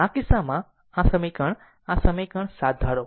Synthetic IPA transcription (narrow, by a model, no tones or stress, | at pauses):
akɪsamã | asəməjkəɳ | asəməjkəɳsad̪ʱːaɽo